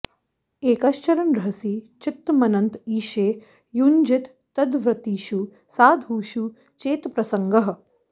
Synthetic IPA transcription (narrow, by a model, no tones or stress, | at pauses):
eːkɐʃt͡ʃɐɾɐnɾɐɦɐsit͡ʃɪt̪ːmɐnɐnt̪iːʃeː | jund͡ʒɪt̪ːɐd̪ʋɾɐt̪iːʃu | saːd̪ʱuːʃu | t͡ʃeːt̪pɾɐsɐŋɡɐɦɐ̆